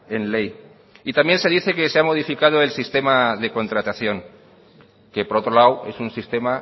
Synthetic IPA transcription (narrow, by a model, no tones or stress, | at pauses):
e̞nle̞j | it̪ambje̞nseðiθe̞keseamo̞ð̞ifikað̞oe̞lsist̪e̞maðe̞ko̞nt̪ɾat̪aθjo̞ŋ | ke̞po̞ɾo̞t̪ɾo̞lawe̞̰sunsist̪e̞ma